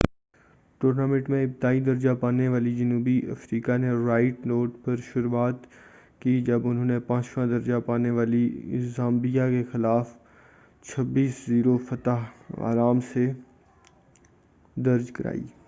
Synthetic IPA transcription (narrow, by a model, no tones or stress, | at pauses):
ʈoːɾnaːmẽʈmẽɪpd̪aːid̪ɐɾd͡ʒapaːneʋaːlid͡ʒɐnuːbiʔɐ̰fɾiːkaneɾaːɪʈnoːʈpɐɾʃʊɾuaːt̪ | kid͡ʒɐbʊnɦõːnepãːt͡ʃʋãd̪ɐɾd͡ʒapaːneʋaːliɪ̰zãːmbijakexɪlaːf | t͡ʃʰɐbːiːsziːɾofɐt̪aɦa̰ːɾaːmse | d̪ɐɾd͡ʒkɐɾa̰ːḭː